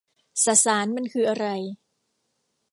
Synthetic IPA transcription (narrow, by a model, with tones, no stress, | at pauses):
saː˧˩saː˩˦nma˧˥nkʰɯː˧ʔa˧ɾa˧j